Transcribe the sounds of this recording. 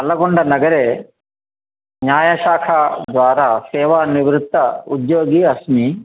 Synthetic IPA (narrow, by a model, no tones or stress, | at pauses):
ɐlɐɡoɳɖɐnɐɡɐɾeː | ɲjaːjɐʃaːkʰad̪ʋaːɾaːsɛːʋaniʋɾut̪ːɐud̪joːɡiːɐsmi